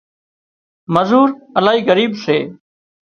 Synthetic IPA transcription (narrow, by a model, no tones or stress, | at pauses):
məzuːɾəlaːɦiːɣəɾiːbseː